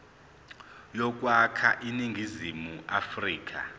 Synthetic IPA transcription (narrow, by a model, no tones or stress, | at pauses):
jɔk̬ʼwakʰaʔiniŋɡʱizimuʔafriːk̬ʼa̰